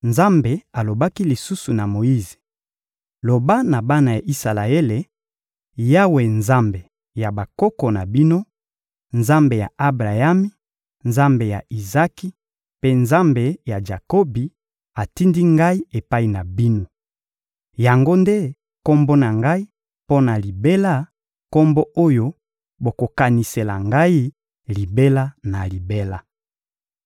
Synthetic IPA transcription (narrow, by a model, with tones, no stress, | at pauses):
nza˦mbe˨a˨lo˨ba˦ki˦li˨su˦su˨na˨mo˨i˦ze̥˨ | lo˨ba˦na˨ba˦na˨ja˨ʔi˦sa˨la˨e˦le˨ | ja˦we˨nza˦mbe˨ | ja˨ba˨ko˦kɔ˨na̰˨bi˦no˦ | nza˦mbe˨ja̰˨ʔa˦bʁa˨ja˦mi˦ | nza˦mbe˨ja̰˨i˨za˦ki˦ | pe˦nza˦mbe˨ja˨d͡ʒa˨ko˦bi˨ | a˨ti˦ndi˦ŋɡa˦i˦e˨pa˦i˨na˨bi˦no˦ | ja˨ŋɡo˦nde˦ | ko˦mbo˦na˨ŋɡa˦i˦ | po˦na˨li˨be˦la˦ | ko˦mbo˦ʔo˦jo˦ | bo˨ko˨ka˨ni˨se˨la̰˨ŋɡa˦i˦ | li˨be˦la˦na˨li˨be˦la˦